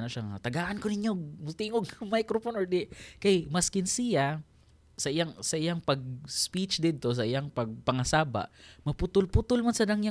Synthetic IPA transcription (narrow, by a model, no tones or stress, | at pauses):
noʃaŋa̰t̪ɐɡaːʔankonɪɲjoɡ̚mʊt̪iŋoɡmajkɾofonʔoɹd̪ɪkajmɐskɪnsɪja | sɐʔɪjaŋsɐʔɪjaŋpɐɡ̚spit͡ʃd̪ɪd̪̚t̪o̞s̬ɐʔɪjaŋpɐɡ̚pɐŋɐsaːba̰ʔmɐpʊt̪ʊlput̪ʊlmansɐd̪aŋja